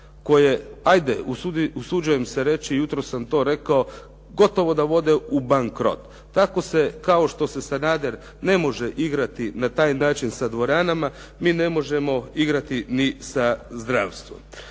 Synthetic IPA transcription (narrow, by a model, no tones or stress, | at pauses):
ko̞jeajd̪eusuusud͡ʒuje̞mseɾe̞t͡ʃijut̪ɾosːamt̪o̞ːɾe̞kao̞ | ɡo̞t̪o̞ʋo̞d̪aʋo̞d̪eubaŋkɾo̞̰t̪ːako̞se̞kao̞ʃt̪o̞se̞sanaːd̪eɾ | ne̞mo̞ʒeʔiɡɾat̪inat̪aːjnaːt͡ʃinsad̪ʋo̞ɾaːnama | miːne̞mo̞ʒe̞mo̞iɡɾat̪inisazd̪ɾaːʋst̪ʋom